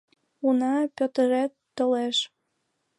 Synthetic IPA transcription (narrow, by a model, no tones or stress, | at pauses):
unɑpʲøt̪əɾæt̪ːə̆leʃ